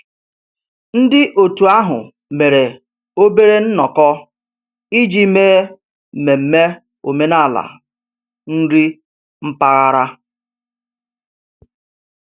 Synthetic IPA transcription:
n̩˦dɪ˦ʔo˨tu˨a˦ɦʊ̰˨ | me˨ɾe˨ | o˦be˦ɾe˦n̩˦nɔ˨kɔ˦ | i˦d͡ʒi˦meː˦˨ | me˨m̩˨me˦ | o˨me˦na˦˨la̰˨ | n̩˦ɾi˦ | m̩˦pa˦ɣa˦ɾa˦

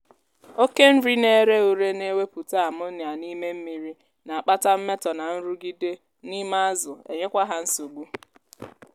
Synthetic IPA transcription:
o˦ke˦n̩˦ɾi˦ne˦ɾe˦u˨ɾe˦ne˦we˦pu˨ta˦a˨mʊ˦nja˨ni˦me˦m̩˦mi˨ɾi˦ | na˨a˨k͡pa˦ta˦m̩˦me˦tɔ˨na˨n̩˦ɾu˦ɡi˦de˦ | ni˦ma˦zʊ˨ḛ˨ɲe˦kʷa˦ɦa˦n̩˦so˨ɡ͡bu˦

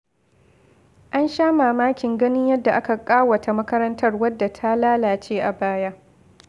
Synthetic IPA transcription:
ʔa˦nʃaː˦maː˨maː˦kʲɪ˨ŋɡɐ˦nɪ˦ɲjɐ˦dːa˨ʔa˦ka˨kʼaː˦wɐ˨tʰa˨mɐ˦kɐ˦ɾɐ˦ntʰɐ˦rwɐ˦dːa˨tʰa˦laː˦laː˨t͡ʃeː˦ʔa˨baː˦ja˦

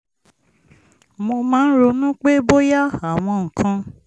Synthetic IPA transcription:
mo˧mãː˦n̩˦ɾo˧nũ˦k͡pe˦bo˦ja˦a˨w̃ɔ̃˧ŋ̩˨kʰã˧

